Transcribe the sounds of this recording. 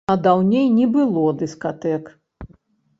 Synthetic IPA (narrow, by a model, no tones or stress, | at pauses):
ɐd̪awnʲejnʲɛbɨlˠɔd̪ɨskat̪ɛk